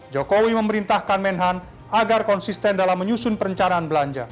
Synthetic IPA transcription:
d͡ʒokowiməməɾint̪ahkanmɛnɦan | aɡarkɔnsist̪ɛndalamːəɲusʊnpəɾəɲt͡ʃanaːnbəlaɲd͡ʒa

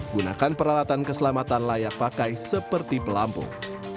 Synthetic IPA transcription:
ɡuna̰kanpəɾalat̪ankəsəlamat̪anlajak̚pakajsəpərt̪ipəlampṵ

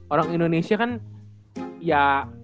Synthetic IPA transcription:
oɾaŋindonesiakan | ja

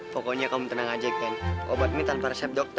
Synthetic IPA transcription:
pɔkɔɲakamuŋt̪ənaŋad͡ʒaikanʔobat̪̚mit̪anpaɾɛsɛp̚dɔk̚t̪

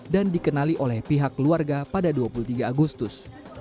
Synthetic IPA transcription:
dandikənaliʔolɛhpiɦakluarɡapadaduapulut̪iɡaːɡust̪ʊs

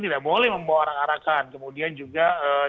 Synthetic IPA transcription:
t̪idaʔbolɛhməmbawoɾaŋaɾakankəmudiand͡ʒuɡaə

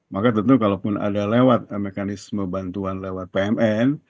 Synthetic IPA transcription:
makat̪ənt̪ukalopʊna̰dalewat̪̚mekanɪsməbant̪uanlewat̪̚peɛmɛn

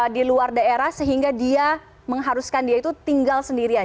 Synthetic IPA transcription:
diluardaeɾahsəɦiŋɡadia | məŋɦaɾuskandiait̪ut̪iŋɡalsəndiɾia

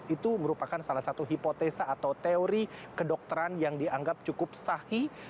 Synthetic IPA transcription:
it̪uməɾupakansalahsat̪uɦipot̪esaːt̪awt̪eoɾikədɔk̚t̪əɾanjaŋdiaŋɡap̚t͡ʃukʊp̚sahi

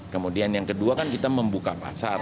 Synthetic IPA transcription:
kəmudianjaŋkəduakankit̪aməmbukapa̰sa̰r

